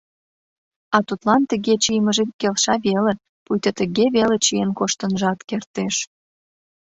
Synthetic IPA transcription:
ɑt̪ut̪lɑnt̪ə̆ɣet͡ɕijməʒet̪̚kelʃɑβele | pujt̪ət̪ə̆ɣeβelet͡ɕienkoʃt̪ənʒɑt̪kert̪eʃ

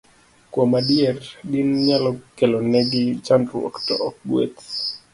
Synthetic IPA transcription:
kwomadiɛrɗinɲalɔkɛlɔnɛɡid͡ʒandɾṵɔ̰ktɔɔk̚ɡwɛ̰t̪s

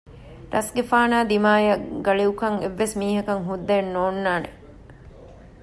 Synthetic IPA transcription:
ɾɐsɡefaːnaːd̪imaːjɐɡɐliukɐŋeʋːesmiːɦɐkɐŋɦud̪ːeːnːoːnːaːne

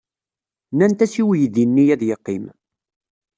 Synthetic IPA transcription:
nænt̪æsiwjəðinːijæðjəqːim

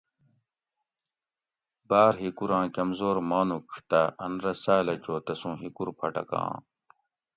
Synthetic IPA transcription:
baːɾɦikuɾãːkɐmzoːɾmaːnukʰt̪ɐɐnɾɐsaːlɐt͡ɕoːt̪ɐsũːɦikuɾpʰɐʈɐ̰kã̰ː

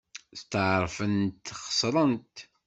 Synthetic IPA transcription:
θt̪əʕɾˤfənt̪ːχə̥sɾˤənt̪

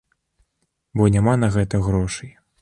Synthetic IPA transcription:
bɔnʲamanɐɣɛt̪ɐɣɾɔʂɐj

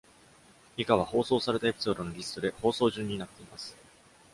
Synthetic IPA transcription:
ikaβ̞aho̞ːso̞ːsaɾe̞t̪ae̞pʲi̥so̞ːd̪o̞noɾʲisɨ̥t̪o̞d̪e̞ho̞ːso̞ːʑɨ̃ɲ̟ːinat̪ːe̞imasɨ̥

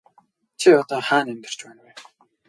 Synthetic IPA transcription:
t͡ɕʰeɔt̪ɔːχaːnæmt̪ɪ̆r̥t͡ɕpæːnwæː

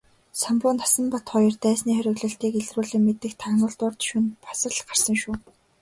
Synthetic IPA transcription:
sampʊːnt̪ʰḁsə̆mpat̪χɔjɞ̆rt̪æːsniːχœɾʲɪ̆ɣɮɘ̆ɬt̪iːkeɮruːɮĭːŋmet̪ɘ̆kt̪ʰaŋɢʊ̆ɮt̪ʊrt̪ʃunpḁsə̆rɮɢarsə̆ŋʃuː

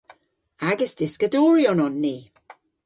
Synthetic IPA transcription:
aɡɪsd̥ɪskədɔːɹjɔnɔnːiː

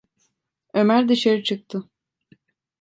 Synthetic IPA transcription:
ø̞mæɾd̪ɯʃaɾɯt͡ʃʰɯk̚t̪ʰɯ

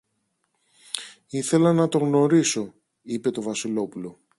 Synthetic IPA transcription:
iθe̞lɐnɐt̪o̞ɣno̞ɾiso̞ | ipe̞t̪o̞vɐsilo̞pulo̞

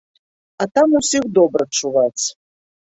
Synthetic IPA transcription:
ɐt̪amusʲiɣd̪ɔbɾɐt͡ʂuvat͡sʲ

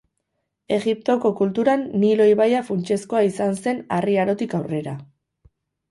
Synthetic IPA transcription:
e̞ɣip̚t̪o̞ko̞kult̪uɾanːilo̞iβajafunt͡ʃe̞sko̞aisanse̞nariaɾo̞t̪ikawre̞ɾa

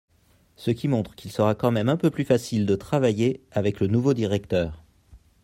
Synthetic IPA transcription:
səkʲimɔ̃t̪χə̥kʲilsəʁakɑ̃mɛmɛ̃pøplyfasild̪ət̪χavajeavɛklənuvod̪iʁɛkt̪œːʁ

